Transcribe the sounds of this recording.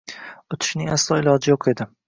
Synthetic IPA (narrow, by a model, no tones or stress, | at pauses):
ʊt̪ʰɪ̥ʃnɪŋaslˠɒɪlˠɒd͡ʒɪjoqʰe̞d̪ɪ